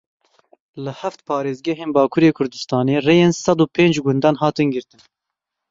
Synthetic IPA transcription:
lɨhæft̪pʰɑːɾeːzɡɛɦeːnbɑːkʰuːɾeːkʰʊɾd̪ɨst̪ɑːneːreːjeːnsɑd̪uːpʰeːnd͡ʒɡʊnd̪ɑːnɦɑːt̪ɨnɡɨɾt̪ɨn

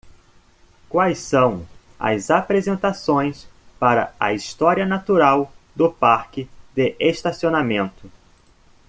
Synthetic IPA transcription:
kwajsɐ̃w̃ | ɐ̰zapɾezẽnt̪asõj̃spaɾɐ̰ɐ̰ist̪ɔɾiɐnat̪uɾawd̪ʊpaɾkɪd̪ɪʔeʃt̪asionamẽnt̪ʊ

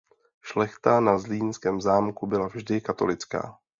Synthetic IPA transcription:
ʃlɛxt̪anazliːnskɛːmzaːmkubɪlavʒdɪkat̪o̞lɪt͡ska̰ː

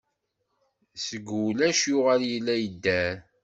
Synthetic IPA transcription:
səɡulæʃjʊʁæljəlːæjəd̪ːæɾ

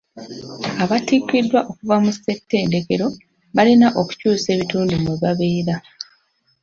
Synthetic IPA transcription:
aβatikːidːwaʔo̞kuvamusːe̞kte̞ːnde̞ke̞ɾo̞ | βalinaʔo̞ku̥cuːse̞ːβituːndumeβaβe̞ːɾa

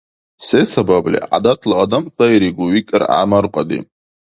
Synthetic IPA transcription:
sesabablḭʔa̰d̪at̪ʰlaad̪amtajɾiɡuwikʼəɾa̰maɾqʷʼad̪ḭ

